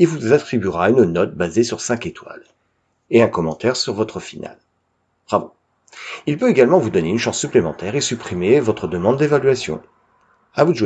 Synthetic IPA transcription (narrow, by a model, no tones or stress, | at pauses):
ilvuzat̪χibyʁaynnɔt̪̚bazesyʁsɛ̃ket̪wa̰l | eɛ̃kɔmɑ̃t̪ɛʁsyʁvɔt̪χəfina̰l | ʁavɔ̃ | ilpøeɡalmɑ̃vud̪ɔneynʃɑ̃sːyplemɑ̃t̪ɛʁesypχimevɔt̪χəd̪əmɑ̃d̪d̪evalɥasjɔ̰̃ | avuʒ